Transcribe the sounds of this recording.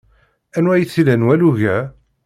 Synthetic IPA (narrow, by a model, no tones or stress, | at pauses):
ænwæjθilænwæluʝæ